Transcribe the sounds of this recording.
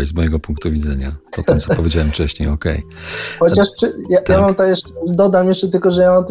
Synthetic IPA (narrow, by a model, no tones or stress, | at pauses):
jzmɔjɛɡɔpuŋk̚t̪uvʲid̪zɛɲa̰pɔt̪ɛmt̪sɔpɔvʲjed͡ʑawɛmft͡ʂɛɕɲejɔkɛ̰j | xɔt͡ɕaʂpʂɘjajamamt̪ajɛʂt͡ʂɛd̪ɔd̪amjɛʂt͡ʂɛt̪ɘlkɔʐɛjamamt̪